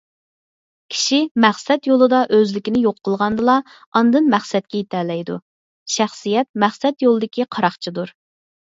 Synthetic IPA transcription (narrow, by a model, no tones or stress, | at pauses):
kʲʰi̥ʃimæχsɛt̪jolˠɨd̪ɑʔøzlɪkʲɪnɪjoqʰːəlˠʁɑnd̪ɨlˠɑ | ɑnd̪ɨnmæχsɛt̪̚kʲɛit̪ʰɛːlɛjd̪u | ʃæχsijɛt̪̚mæχsɛt̪jolˠɨd̪ɪkʲiqʰɑɾɑχt͡ʃʰid̪uɾ